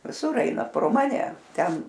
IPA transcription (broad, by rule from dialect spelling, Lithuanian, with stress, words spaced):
ʋʲɪˈsʊr ˈɐɪnɐ proː ˈmɑːnʲɛ ˈtʲɛn